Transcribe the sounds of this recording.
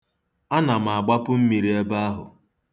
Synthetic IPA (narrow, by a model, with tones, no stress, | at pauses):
a˦na˨m˨a˨ɡ͡ba˦pʊ˦m̩˦mi˨ɾi˦e˦ba˦a˦ɦʊ̰˨